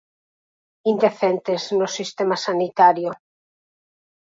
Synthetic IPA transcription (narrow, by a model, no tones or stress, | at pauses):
ind̪eθent̪eznosist̪emasanit̪aɾjo